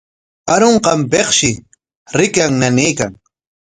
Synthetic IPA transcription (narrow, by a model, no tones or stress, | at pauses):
aɾoɴqɑmpeχʃɪ | ɾɪkaŋnaniːkaŋ